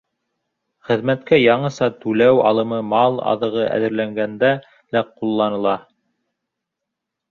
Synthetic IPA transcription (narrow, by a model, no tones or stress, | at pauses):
χɘ̆ðmæt̪kæjɑɴɤ̆sɑt̪ʉlæwɑ̰lˠɤ̆mɤmɑlˠɑ̰ðɤ̆ʁɤʔæ̰ðɘ̆ɾlæŋɡænd̪æ | læqulˠːɑnɤ̆lˠɑ